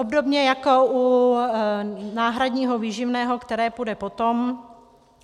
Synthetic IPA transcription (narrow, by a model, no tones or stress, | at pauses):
obdo̞bɲɛjako̞ʔu | naːɦɾadɲiːɦo̞viːʒɪvnɛːɦo̞kt̪ɛɾɛːpudɛpo̞t̪om